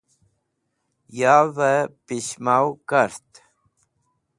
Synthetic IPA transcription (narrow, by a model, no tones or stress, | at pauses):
javəpiɕmawkəɾt̪